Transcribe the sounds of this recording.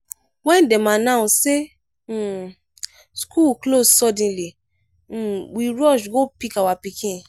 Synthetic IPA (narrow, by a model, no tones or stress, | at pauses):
wɛ̃ndemãnãũse | skʰuklossɔdĩli | wiɾɔʃɡopikawapikʰĩn